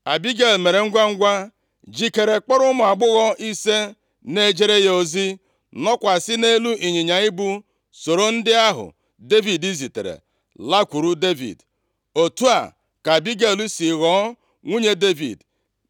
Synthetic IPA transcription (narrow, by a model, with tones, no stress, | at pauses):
a˨bi˦ɡe˦˨lme˨ɾe˨ŋ̩˦ɡʷa˦ŋ̩˦ɡʷa˦ | d͡ʒi˦ke˨ɾe˨k͡pɔ˦ɾʊ˦mʊ˨a˨ɡ͡bʊ˦ɣɔ˦ʔi˦se˦ | ne˦d͡ʒe˦ɾe˦jo˦zi˦ | nɔ˦kʷa˨sɪ˦ne˦lu˦ʔi˨ɲi˨ɲa˨i˦bu˦ | so˨ɾo˦n̩˦dɪ˦a˦ɦʊ̰˨ | de˦vi˨di˦zi˨tḛ˨ɾḛ˨ | la˦kʷu˨ɾu˦de˦vḭ˨d | o˨tu˦a̰˨ | ka˨bi˦ɡe˨lu˦si˨ɣɔ˨˦ | ŋʷu˦ɲe˦de˦vḭ˨d